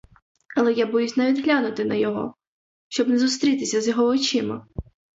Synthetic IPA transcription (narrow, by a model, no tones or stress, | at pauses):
ɐlˠɛjabɔjusʲnɐʋʲid̪ɦlʲanʊt̪ɪnɐjɔɦɔ̰ | ʃt͡ʃɔbnɛzʊst̪ɾʲit̪ɪsʲɐzjɔɦɔːt͡ʃɪmɐ